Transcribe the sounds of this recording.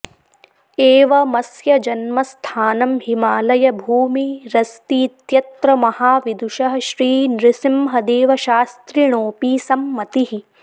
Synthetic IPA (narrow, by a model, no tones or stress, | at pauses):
eːʋɐmɐsjɐd͡ʒɐnmɐst̪ʰaːnɐmhimaːlɐjɐbʱuːmiɾɐst̪iːt̪jɐt̪ɾɐmɐhaːʋid̪uʃɐɦɐʃɾiːnɾɪsimɦɐd̪eːʋɐʃaːst̪ɾiɳ̃oːpiːsɐmːɐt̪iɦi